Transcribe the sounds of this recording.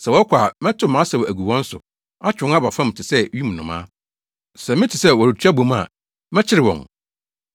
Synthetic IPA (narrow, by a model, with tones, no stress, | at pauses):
sɛ˨wɔ˦kʷʰa˨mɛ̃˦tʰʊ˦mã˦sɛ˨wɔ˨æ˨ɡu˨wɔ̃˦n̩˦sʊ̰˨ | a˦t͡ɕᶣʊ̃˨˦ŋ˦a˦ba˨fã˦m˨tʰɪ˨sɛ˦ɥi˦m̃˨nʊ̃˨mã̰˦ | sɛ˨mɪ̃˦tʰi˨sɛ˦wɔ˨ɾi˨tʰᶣæ˦bõ˨ma̰˨ | mɛ̃˦t͡ɕʰɪ˦ɾɪ˨wɔ̰̃˨ŋ